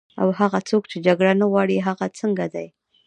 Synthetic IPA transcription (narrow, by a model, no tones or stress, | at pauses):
a̰whaɣat͡sokt͡ʃed͡ʒaɡɽanaɣwɑɽiɦaɣat͡səŋɡad̪aj